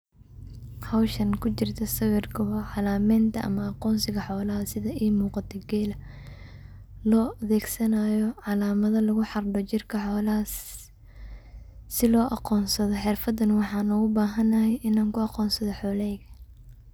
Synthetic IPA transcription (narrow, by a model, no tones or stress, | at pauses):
hɐwʃɐŋkʰʊt͡ʃɪrt̪ʰɐsɐwɪrkʰɐɦɐʕɑlaːmɛːnt̪ʰɐʔɐ̰mɐɑqɔːnsɪɣɐħɔːlɐɦɐsɪðɐʔiːmuːqɑt̪ʰɐɡɛːlɐ | lɔːʔɐðɛːɡsɐnaːjɔʕɑlaːmɐðɐlɐɣʊħɑrɖɔt͡ʃɪrkʰɐħɔːlɐɦɐ | sɪlɔːʔɑqɔːnsɐðɔħɪrfɐd̪ɐnwɑħɑːnɔʊbaːɦɐnɐhɛjʔɪnaːŋkʰʊɑqɔːnsɐðɔħɔːlɛjɣɐ